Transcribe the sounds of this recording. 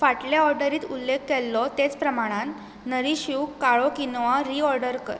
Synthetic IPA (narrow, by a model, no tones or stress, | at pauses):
faʈljaɔɾɖəɾiːt̪ulːekːelːɔt̪et͡spɾəmaɽ̃ãn | nəɾiɕuwkkːaɭɔkinʋaɾiɔɾɖəɾkə̰ɾ